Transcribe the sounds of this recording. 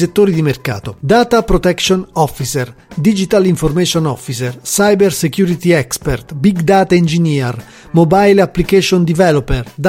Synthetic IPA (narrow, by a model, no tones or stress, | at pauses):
set̪ːoːɾid̪imerka̰ːt̪od̪aːt̪apɾot̪ɛkʃonɔfːiserd̪id͡ʒit̪aliɱformɛʃonɔfːisersajbeɾsekjuːɾit̪iɛkspert̪biɡd̪aːt̪aind͡ʒiniːar | mobajlapːlikɛʃond̪ivɛlopɛrd̪